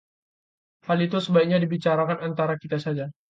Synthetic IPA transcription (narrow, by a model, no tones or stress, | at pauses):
halit̪usəbaikɲadibit͡ʃaɾakanant̪aɾakit̪asad͡ʒa